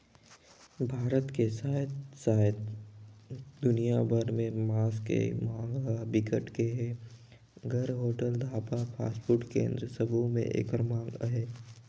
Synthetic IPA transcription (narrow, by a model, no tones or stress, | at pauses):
bʱaːɾət̪kesaːt̪saːjt̪ | d̪ʊnijabʱəɾmẽmaːskḛmãːŋɡɦəbɪkəʈkeɦɛ | ɡəɾɦoːʈəld̪ʱaːpapʰa̰ːspuɾʈkḛ̃ːnd̪ɾəsəbʱomḛ̃ʔḛkəɾmãːŋɡɦeː